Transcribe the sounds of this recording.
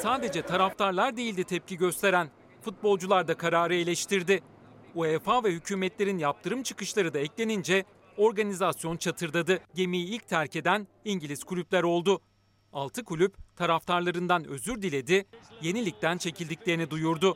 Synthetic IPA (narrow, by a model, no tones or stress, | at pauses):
saːd̪e̞d͡ʒɛt̪ʰaɾaft̪ʰaɾlˠaɾd̪e̞jilʲd̪it̪ʰɛp̚ciɟø̞st̪ʰe̞ɾæn | fut̪̚bo̞lˠd͡ʒulˠaɾd̪akʰaɾaːɾɯe̞lʲɛʃt̪ʰiɾd̪ɪ | uɛfaːvɛhycʰuːmɛt̪lʲe̞ɾinjap̚t̪ʰɯɾɯmt͡ʃʰɯ̥kɯʃlˠaɾɯd̪aɛclʲe̞nind͡ʒɛ | o̞ɾɡanizasjo̞nt͡ʃʰat̪ʰɯɾd̪ad̪ɯɟe̞mijiilʲc̚t̪ʰæɾced̪æn | iɲɟilʲizkʰulʲyplʲæɾo̞lˠd̪ʊ | alˠt̪ʰɯkʰulʲypt̪ʰaɾaft̪ʰaɾlˠaɾɯnd̪anø̞̰zyɾd̪ilʲe̞d̪ɪje̞nilʲic̚t̪ænt͡ʃʰe̞cʰilʲd̪iclʲeɾinid̪ujuɾd̪ʊ